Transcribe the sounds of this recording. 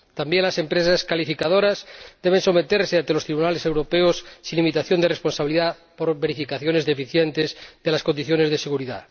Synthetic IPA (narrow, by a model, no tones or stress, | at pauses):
t̪ambjenlase̞mpɾesaskalifikað̞o̞ɾazd̪̥eβ̞e̞nso̞me̞t̪eɾseant̪elo̞st̪ɾiβunalese̞wɾo̞peosːilimit̪aθjo̞nd̪erespo̞nsaβiliða | poɾβeɾifikaθjo̞ne̞zðe̞fiθjent̪ezðelasko̞nd̪iθjone̞zðeseɣuɾiða̰